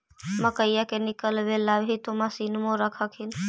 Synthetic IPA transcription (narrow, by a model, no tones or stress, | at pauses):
məkəɪjakenikəlʋelːabʱɦit̪omasinmoɾəkʰəkʰin